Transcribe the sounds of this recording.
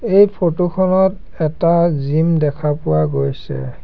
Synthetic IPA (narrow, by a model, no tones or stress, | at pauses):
ejpʰotukʰɔnɔt | ɛtazimdɛkʰapʊwaɡojsɛ̰